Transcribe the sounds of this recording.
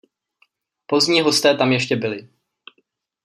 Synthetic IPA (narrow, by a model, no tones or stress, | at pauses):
po̞zɲiːɦo̞st̪ɛːt̪amjɛʃcɛbɪlɪ